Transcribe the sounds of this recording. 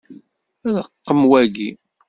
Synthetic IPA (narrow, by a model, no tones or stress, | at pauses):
æðəqːəmwæɡi